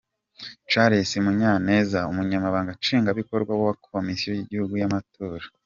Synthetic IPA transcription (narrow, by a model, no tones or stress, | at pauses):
t͡ʃaɾesemuɲane̞ːzaumuɲamaβaːŋɡat͡ʃiːŋɡaβiko̞ɾɡwawawakʰomisijo̞jiɟihuɡujamatʰoːɾḁ